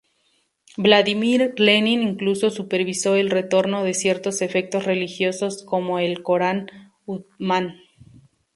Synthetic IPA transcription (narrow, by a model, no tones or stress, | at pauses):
blaðimiɾlenĩniŋkluso̞supe̞ɾβiso̞e̞lre̞t̪o̞ɾno̞ðe̞sje̞ɾt̪o̞se̞fe̞k̚t̪o̞sre̞lixjo̞so̞sko̞mo̞elko̞ɾan | ut̪̚mãn